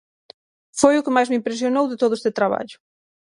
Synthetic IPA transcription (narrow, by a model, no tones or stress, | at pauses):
fojʊkɪmajzmɪimpɾes̬jonowðɪt̪oðʊest̪ɪt̪ɾaβa̰ʎʊ̥